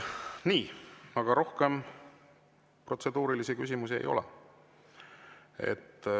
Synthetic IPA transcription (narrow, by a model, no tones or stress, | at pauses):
niːɑɡ̥ɑɾo̞hke̞m | pro̞t̪se̞d̪uːɾilisikys̬ʲimusiḛjʔo̞̰lɛ̰ | e̞̰t̪ː